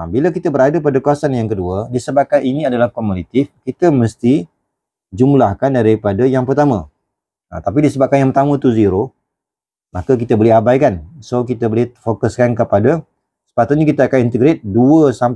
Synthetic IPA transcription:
abiləkit̪əbəɾadəpadakuasanjaŋkəduədisəbap̚kaninĩadalahkɔmolit̪ɪfkit̪əməst̪i | d͡ʒumlahkandaɾipadajaŋpərt̪amə̃ | a̰t̪ap̬idisəbap̚kanjaŋpərt̪amə̃t̪uziɾo | makək̬it̪əboliabajkansok̬it̪əbolɪfokəskankəpada | sə̥pat̪ʊt̪̚ɲakit̪aakanint̪əɡɾet̪̚duəsam

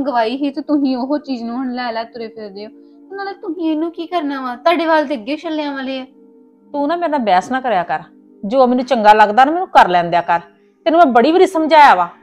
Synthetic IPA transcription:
ɡəʋaːiːɦiːt̪ot̪ʊsĩːoɦoːt͡ʃiːd͡ʒnũːəɳlɛːlɛːt̪ʊɾeːpʰɪɾd̪eːoː | ʊnãːneːt̪ʊɦĩːenũːkiːkəɾnãːʋãːt̪aːɖeːbaːld̪eːəɡeːt͡ʃʰəlːeãːʋãːleːɛː | t̪uːnãːmɛ̃ːnãːbɛːsnaːkəɾejaːkəɾ | d͡ʒoːamɛːnũːt͡ʃəŋɡaːləɡd̪aːnaːmɛːnũːkəɾlɛ̃ːnd̪ejaːkəɾ | t̪enũːmɛ̃ːbəɽiːbəɾiːsəmd͡ʒaːjaːʋaː

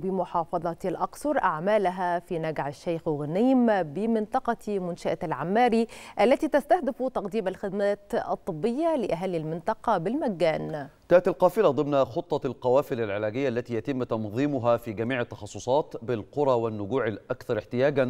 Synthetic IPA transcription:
bɪmʊħɑːfɑðˤɑt̪lʔɑksˤʊɾˤʔaʕmaːlaɦafiːnaɡʕaʃːajxwɣaniːmbɪmɪnt̪ˤɑqɑmʊnʃaʔlʕamːaːɾiʔalːat̪iːt̪ast̪ahd̪ɪft̪ɑqd̪iːmalxɪd̪maːt̪ɑ̰t̪ˤːɨbːɪjːalɪʔaɦalːilmɪnt̪ˤɑqɑbɪlmaɡːaːnkaːʔt̪alqɑːfɪlad̪ˤɨmnaxot̪ˤːɑlqɑwaːfɪlalʕɪlæːɡɪjːaʔlːæt̪iːjæt̪ɪmːt̪ɑnðˤiːmʊɦafiːɡamiːʕat̪ːɑ̥xɑsˤːosˤɑːt̪bɪlqʊɾˤɑwɪnːʊɡuːʕalʔakθɑɾˤɪħt̪ɪjaːɡa

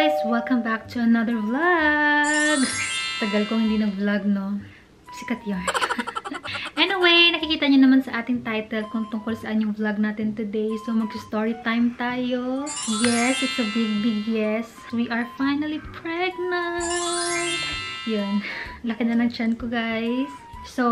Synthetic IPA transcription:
jswɛlkɐ̃mbak̚t̪ʰʊɐnɐðəɹvlɐ | ɡt̪ɐɡɐlkoŋhɪnd̪iːnɐɡ̚blɐɡ̚no | sɪkɐt̪jaɹ | ʔɛniwejnɐkɪkiːt̪ɐɲonɐmansɐʔaːt̪ɪŋt̪ajt̪ɛlkʊŋt̪ʊŋkolsɐʔaɲoŋblɐɡ̚naːt̪ɪnt̪ʊd̪ejsomɐɡ̚hɪst̪oɹit̪ajmt̪aːjojɛsɪt̪sɐbɪɡ̚bɪɡjɛs | wiʔɐɹfajnɐlipʰɹɛɡ̚nɐ | t̪̚janlɐkɪnɐnɐŋt͡ʃankoɡajsː | o

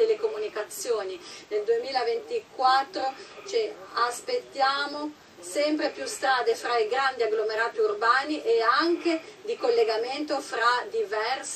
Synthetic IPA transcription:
elːekomunikat̪sːjoːnineld̪uemiːlavent̪ikwat̪ːɾot͡ʃeaspet̪ːjaːmo | sɛmpɾepjust̪ɾaːd̪efɾaiɡɾand̪iaɡlomeɾaːt̪iurbaːniʔeaŋked̪ikolːeɡament̪ofɾad̪ivɛrs

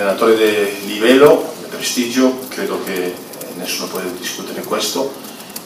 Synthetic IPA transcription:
enat̪oɾed̪elivɛlod̪epɾest̪id͡ʒokɾed̪oke | nesːuːnopot̪edd̪iskut̪eɾekwest̪o

